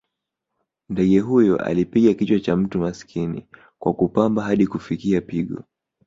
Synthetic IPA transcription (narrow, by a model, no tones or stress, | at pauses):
ndɛɠɛɦujɔʔa̰lipiɠakit͡ʃwat͡ʃam̩tumasi̥kʰinḭ | kwakupambaɦaɗikufikiapiɠɔ̰